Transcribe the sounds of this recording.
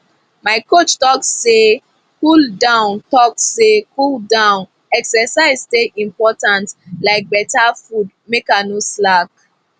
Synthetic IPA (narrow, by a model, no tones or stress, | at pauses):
maɪkot͡ʃtɔksːe | puldãʊ̃ntɔksekuldãʊ̃n | ɛksɛsaɪzsteʔĩmpɔtãntlaɪk̚bɛtafud̚ | mekanoslak